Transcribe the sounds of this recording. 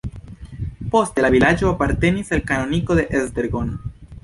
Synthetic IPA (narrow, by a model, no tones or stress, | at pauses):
po̞stelavilad͡ʒo̞apaɾte̞nisalkano̞niko̞d̪e̞ʔezdeɾɡon